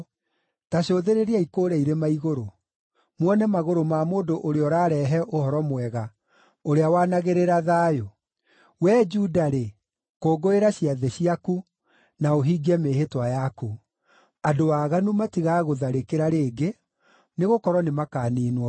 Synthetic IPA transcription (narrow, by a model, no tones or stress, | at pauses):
taɕoːðeɾeɾiaikoːɾɛiɾemaiɣoɾo | mwɔnɛmaɣoɾomamoːdoʔoɾeɔɾaɾɛːɦɛʔohɔɾɔmwɛɣa | oɾeawaːnaɣeɾeɾaðaːjo | wɛːd͡ʒudaɾe | koːɡoeɾaɕiaðɛɕiaku | naoɦiːɡɛmeɦetwajaku | adowaːɣanumatiɣaɣoðaɾekeɾaɾeːɡe | neɣokɔɾwɔnemakaːniːnwɔ